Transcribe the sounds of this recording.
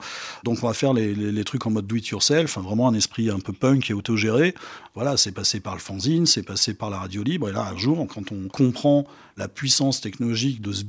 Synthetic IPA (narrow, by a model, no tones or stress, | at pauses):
d̪ɔ̃kɔ̃vafɛʁlelelet̪χykɑ̃mɔd̪ːwit̪ʰyʁsɛlɑ̃fɛ̃vʁɛmɑ̃ɛ̃nɛspχiɛ̃pøpœ̃kʲɛot̪oʒeʁevwalasɛpasepaʁləfɑ̃zinsɛpasepaʁlaʁad̪jolibʁela̰ɛ̃ʒuːʁkʰɑ̃t̪ɔ̃kʰɔ̃pχɑ̃ | lapɥisɑ̃st̪ɛknɔlɔʒik̚d̪əsə